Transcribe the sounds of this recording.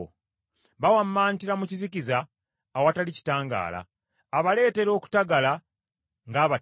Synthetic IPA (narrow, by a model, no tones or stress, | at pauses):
βawamːaːnitiɾamucizikizaː | watalici̥taːŋɡa̰ːla̰ː | βale̞ːte̞ɾo̞ːku̥taɡala | ŋɡaːβa